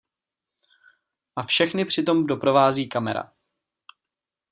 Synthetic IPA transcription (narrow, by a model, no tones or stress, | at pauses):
ʔafʃɛxnɪpr̝̥ɪt̪o̞mdo̞pɾo̞vaːziːkamɛɾa̰